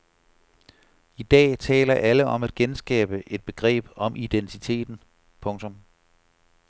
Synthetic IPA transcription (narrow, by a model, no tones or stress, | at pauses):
id̥ɛ̰ːt͡sʰɛ̰ːlɐʔæləʔɒ̽mæd̥̚ɡ̥ensɡ̥ɛ̰ːb̥əʔe̝d̥̚b̥e̝ɡ̥ʁɛ̰ːb̥ɒ̽mʔid̥ent͡sʰit͡sʰe̝̰ːd̥n̩ | pʰɔ̽ŋt͡sʰɔ̽m